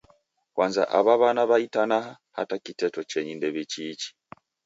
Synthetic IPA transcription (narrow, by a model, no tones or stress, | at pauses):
kwaːnza̰ʔa̰βaβanaβaitanaha | ha̰takitetot͡ʃeɲindeβet͡ʃit͡ʃi̥